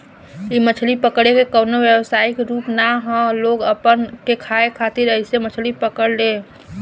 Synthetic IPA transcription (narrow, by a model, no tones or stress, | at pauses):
imət͡ʃʰlipəkɽekekəːnoʋjəwsaːɪkɾuːpnaɦɔ̃loːɡəpənkekʰaːekʰaːt̪ɪɾəɪsemət͡ʃʰlipəkəɽlẽː